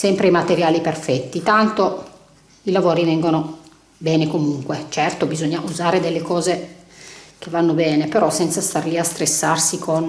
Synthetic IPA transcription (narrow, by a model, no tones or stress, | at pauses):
sɛmpɾeimat̪eɾjaːliperfɛt̪ːit̪ant̪o | ilavoːɾivɛŋɡono | bɛːnekomuŋkwet͡ʃɛrt̪obizoɲːaʔuzaːɾed̪elːekɔːze | k̟evːanːobɛːnepeɾɔsɛnt̪sast̪arliast̪ɾesːarsikʰon